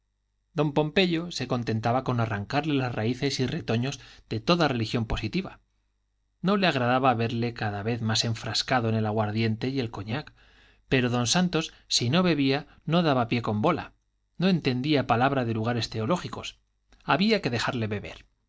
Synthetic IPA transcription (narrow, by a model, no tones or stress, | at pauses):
d̪o̞mpo̞mpe̞ʎo̞se̞ko̞nt̪e̞nt̪aβako̞naraŋkaɾle̞lasraiθe̞sire̞t̪o̞ɲo̞zðe̞t̪o̞ðare̞lixjo̞mpo̞sit̪iβa | no̞le̞aɣ̞ɾaðaβaβe̞ɾle̞kaðaβe̞θmase̞ɱfɾaskaðoene̞laɣwaɾðje̞nt̪e̞je̞lko̞ɲak | pe̞ɾo̞ðo̞nsant̪o̞s | sino̞βe̞βia | no̞ð̞aβapje̞ko̞mbo̞la̰ | no̞e̞nt̪e̞nd̪iapalaβ̞ɾaðe̞luɣaɾe̞st̪e̞o̞lo̞xiko̞s | aβiake̞ðe̞xaɾle̞βe̞βe̞̰ɾ